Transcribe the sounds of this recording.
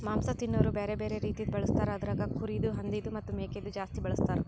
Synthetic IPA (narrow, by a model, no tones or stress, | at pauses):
maːmsɐt̪inːɐːɾubeːɾebe̞ːɾeɾiːt̪id̪bɐɭust̪aːɾeɐd̪ɐɾaːɡɐkʰuɾid̪uɦɐnd̪id̪umɐt̪ːumeːked̪ud͡ʒaːst̪ibɐɭɐst̪aːɾe